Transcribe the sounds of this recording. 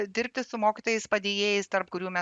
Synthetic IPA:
d̪ʲɪɾʲpʲt̪ʲɪsʊmoːkʲɪt̪oːjɛɪspɐd̪ʲeːjeːjɛɪst̪ɐɾpkʊɾʲuːmʲɛ

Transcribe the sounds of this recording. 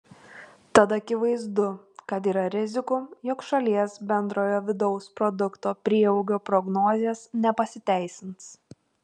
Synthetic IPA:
t̪ɐt̪ɐkʲɪʋɐɪzd̪ʊ | kɐt̪̬iːɾɐɾʲɪzʲɪkʊjɔkʃɐlʲiɛsbʲɛnd̪ɾoːjoːʋʲɪd̪ɒʊspɾɔd̪ʊkt̪oːpʲɾʲiɛɛʊɡʲoːpɾɔɡnoːzʲeːsnʲɛpɐsʲɪt̪ʲæˑɪsʲɪnt̪s

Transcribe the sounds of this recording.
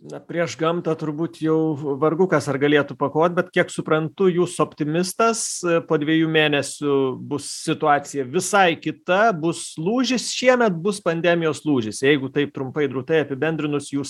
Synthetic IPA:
nɐpʲɾʲiɛʃɡɐmt̪ɐt̪ʊɾbuːt̪jɛʊʋɐrɡʊkɐsɐrɡɐlʲeːt̪ʊpɐkoːt̪̚ʲbʲɛt̪kʲiɛksʊpɾɐnt̪ʊjuːsʊoːpʲt̪ʲɪmʲɪst̪ɐspoːd̪ʲʋʲiɛjuːmʲeːnʲɛsʲʊbʊssʲɪt̪ʊɑːt͡sʲɪjɛʋʲɪsɐɪkʲɪt̪ɐbʊslˠuːʒʲɪsʃʲiɛmʲɛt̪bʊspɐnʲd̪ʲɛmʲɪjoːslˠuːʒʲɪsjɛɪɡʊt̪ɐɪp̚t̪ɾʊmpɐɪd̪ɾuʊt̪ɐɪɐpʲɪbʲɛnʲd̪ʲɾʲɪnʊsjuːs

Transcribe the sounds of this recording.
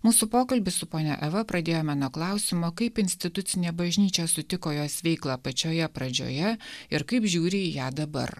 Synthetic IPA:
muːsʊpoːkɐlʲbʲɪsʊpoːnʲɛ̰ʔɛʋɐpɾɐd̪ʲeːjoːmɑːnoːklˠɑˑʊsʲɪmoːkɐɪpɪnʲsʲt̪ʲɪt̪ʊt̪sʲɪnʲeːbɐʒʲnʲiːt͡ʃʲɛːsʊt̪ʲɪkoːjoːsʋʲɛɪklˠɑːpɐt͡ʃʲoːjɛpɾɐd͡ʒʲo̰ːjɛɪɾkɐɪpʒʲuːɾʲɪjæːd̪ɐbɐ̰ɾ

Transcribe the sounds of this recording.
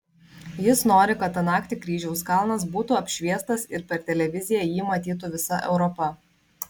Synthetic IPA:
jɪsnoːɾʲɪkɐt̪ɐnɑːkt̪ʲikɾʲiːʒʲɛʊskɑˑlˠnɐs̬buːt̪uɐpʲʃʲʋʲiɛst̪ɐsɪɾpʲɛɾt̪ʲɛlʲɛʋʲɪzʲɪjɛjiːmɐt̪ʲiːt̪̬ʊʋʲɪsɐʔɛ̰ʊɾɔpɐ

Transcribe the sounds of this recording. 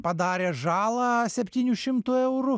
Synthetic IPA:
pɐd̪ɑɾʲɛʒɑlˠɐsʲɛpʲtʲinʲuʃʲɪmt̪ʊɛwɾʊ

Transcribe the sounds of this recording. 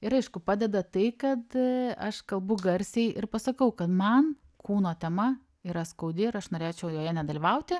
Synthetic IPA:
ɪɾɐɪʃkʊpɑːd̪ʲɛd̪ɐt̪ɐɪkɐt̪ɐʃkɐlˠbʊɡɐɾʲsʲɛɪʔɪɾpɐsɐkɐʊkɐt̪mɐn | kuːnoːt̪ʲɛmɐ | iːɾɐskɐʊd̪ʲɪɪɾɐʃnoːɾʲeːt͡ʃʲɛʊjoːjɛnʲɛd̪ɐlʲɪʋɐʊt̪ʲɪ

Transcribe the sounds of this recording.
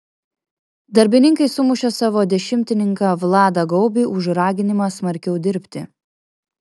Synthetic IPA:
d̪ɐɾʲbʲɪnʲɪŋkɐɪsʊmʊʃʲɛsɑːʋoːd̪ʲɛʃʲɪmʲt̪ʲɪnʲɪŋkɑːʋlˠɑːd̪ɐɡɒʊbʲiːʔʊʒɾɑːɡʲɪnʲɪmɑːsmɐɾʲkʲɛʊd̪ʲɪɾʲpʲt̪ʲɪ

